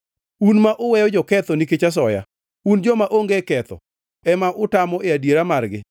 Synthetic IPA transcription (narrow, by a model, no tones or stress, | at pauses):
unmaʔʊwɛjɔd͡ʒɔkɛt̪ɔniket͡ʃas̬ɔja̰ | und͡ʒɔmaʔoŋɡekɛt̪ɔ̰ | ɛmaʔʊtamɔʔɪadjeɾamarɡɪ